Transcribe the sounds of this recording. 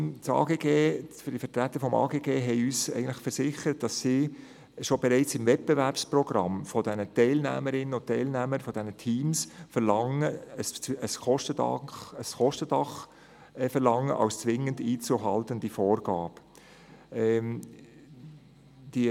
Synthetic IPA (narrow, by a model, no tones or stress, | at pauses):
t͡sɑ̰ːɡeːɡ̥eːfd̥ifətɾæt̪ːəɾfɔmɑ̰ːɡeːɡeːɦɛɪyːsæ̰ɪɡən̩tlɪχfəɾsɪχəɾət̚d̥ɑsːiː | ʃobɛɾɛɪt͡sɪmvɛt̚b̥evæɾpsprɔɡ̥ɾɑ̰mfɔdɛnətɛɪlnæ̰ːməɾɪnːənɔtɛɪlnæməɾfɔd̥ɛnətʰiːmsfəɾlɑŋəsəskɔʃtədɑ̰χəskɔʃtəd̥ɑχ | fɛɾlɑŋːə̰ʔɑ̰ʊst͡sʋɪŋːəndiːt͡suɦɑltənd̥ifoːɾɡ̥ɑːb̥ | ɛ | d̥i